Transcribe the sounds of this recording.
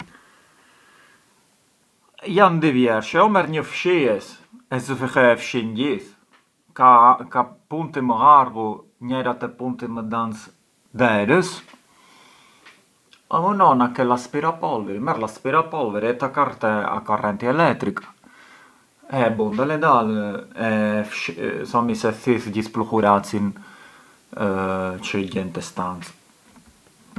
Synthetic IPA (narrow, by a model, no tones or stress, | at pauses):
jand̪ivjɛɾʃɛɔmɛɾɲəfʃiɛs | ɛsəfixɛfʃinɟis | kakapunt̪iməaɾɣu | ɲɛɾat̪ɛpunt̪iməd̪ans | d̪ɛɾəs | a̰mənɔnakɛlaspiɾapɔlvɛɾimɛɾlaspiɾapɔlvɛɾiɛt̪akaɾt̪ɛa̰kɔrɛnt̪iɛlɛt̪ɾik | ɛbund̪əlɛd̪alɛfʃsɔmisɛθiθɟispluxuɾat͡sin | t͡ʃəɟɛnt̪ɛst̪ant͡s